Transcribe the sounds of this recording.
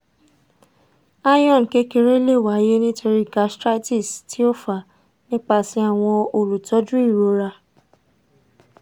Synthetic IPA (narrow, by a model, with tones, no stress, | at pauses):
a˦jɔ̃˦˨n˨ke˦ke˧ɾe˦le˦˨wa˨˦je˦nĩ˦to˧ɾi˦ɡa˧stɾa˦ti˦˨sti˨˦o˦fa˨ | nĩ˦k͡pa˧˨sĩ˦a˦˨w̃ɔ̃˧o˨ɾu˨tɔ˨˦d͡ʒũ˦i˦˨ɾo˨˦ɾa˧